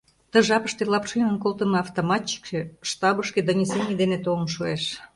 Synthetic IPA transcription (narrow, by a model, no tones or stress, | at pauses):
t̪əʒɑpəʃt̪elˠɑpʃenənkolt̪ənɤɑft̪omɑt̪ʲt͡ɕi̥kʃeʃt̪ɑbəʃked̪onʲesenʲiəd̪enet̪olənʃoeʃ